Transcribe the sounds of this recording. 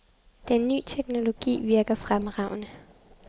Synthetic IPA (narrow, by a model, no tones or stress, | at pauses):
d̥enːy̰ːt͡sʰeɡ̥no̝lo̝ɡ̥ḭːʋiɐɡ̥ɐfʁamʁɑ̈ʊ̰nə